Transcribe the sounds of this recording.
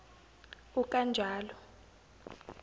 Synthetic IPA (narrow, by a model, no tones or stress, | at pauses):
ukʼand͡ʒʱaːlɔ